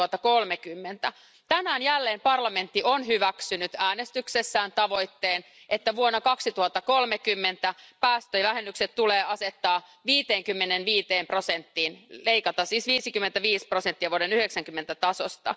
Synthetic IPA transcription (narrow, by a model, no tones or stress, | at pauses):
ɑt̪ːɑkolmekymːent̪æ | t̪ænæːnjælːeːmpɑrlɑme̞nt̪ːionɦyʋæksynyt̪æːnest̪yksesːæːnt̪ɑʋo̞jt̪ːeːn | ʔet̪ːæʋuonːɑkɑksit̪uhɑt̪ːɑkolmekymːent̪æpæːst̪øjʋæhenːykset̪t̪uleːɑset̪ːɑː | ʋiːt̪eːŋkymːenenʋiːt̪eːmprosent̪ːiːnleikɑt̪ɑsiːsʋiːsikymːent̪æʋiːsprosent̪ːiɑʋuoɾenyheksæŋkymːent̪æt̪ɑsost̪ɑ̰